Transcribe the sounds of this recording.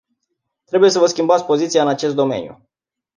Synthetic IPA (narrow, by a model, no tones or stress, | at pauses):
t̪ɾe̞buje̞s̬əvəskʲimbat̪sʲpo̞zit̪sijaɨnat͡ʃe̞s̬t̪d̪o̞mḛnʲjṵ